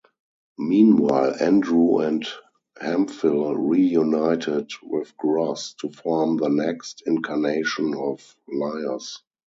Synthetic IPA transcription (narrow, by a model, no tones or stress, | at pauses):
mĩːnwaɪlæ̃ndɹuɛ̃nt | hæ̃mfɪlɹijunaɪtʰɪdwɪθɡɹastʰufɔɹmðənɛkstɪ̃nkʰaneɪʃə̃nɔf | laɪə˞s